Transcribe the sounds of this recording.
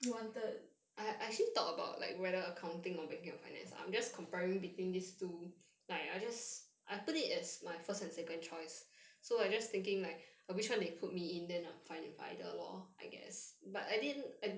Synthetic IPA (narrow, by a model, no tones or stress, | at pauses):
juwɔ̃ntət̚ | ʔaɪʔɛk̚t͡ʃəlit̪ɔkəba̰ʊt̚la̰ɪkwɛɾəəkʰãʊ̃ntɪ̃ŋɔ̃nbɛnkãŋɔfa̰ɪnɛ̰̃nsã̰ɪ̃md͡ʒaskʰɔ̃mpɛɹɪ̃ŋwitwĩndistu | laɪkaɪd͡ʒasʔaɪputitɛsmaɪfəstɛ̃nsɛkə̃nt͡ʃɔɪsːoaɪd͡ʒast̪ɪ̃ŋkɪ̃ŋlaɪk̚əwit͡ʃwãndepʰut̚miɪ̃ndɛ̃nãmfãɪ̃nɪ̃ŋfa̰ɪdə̰lɔ̰a̰ɪɡɛ̰sbataɪdidnaɪ